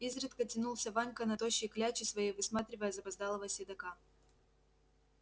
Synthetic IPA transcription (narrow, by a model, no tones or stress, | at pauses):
izɾɨt̪kətʲɪnulˠsʲəvanʲkənɐt̪oɕːɪklʲæt͡ɕɪsvɐjejvɨsmat̪ɾʲɪvəjəzɐpɐzd̪alˠəvəsʲɪd̪ɐka